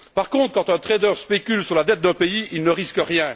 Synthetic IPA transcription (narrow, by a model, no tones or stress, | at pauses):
paʁkɔ̃t̪χəkɑ̃t̪ɛ̃t̪χed̪œʁspekʲylsyʁlad̪ɛt̪̚d̪ɛ̃peiilnəʁiskəʁjɛ̃